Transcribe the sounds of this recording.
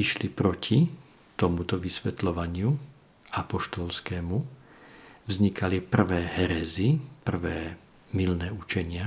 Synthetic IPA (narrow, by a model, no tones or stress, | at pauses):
iʃlipɾɔcʰi | t̪ɔmut̪ɔʋisʋɛt̪lɔʋaɲɪu | apɔʃt̪ɔlskɛːmu | vzɲikʰalipr̩ʋɛːɦɛɾɛzipr̩ʋɛː | milnɛːut͡ʃɛɲɪa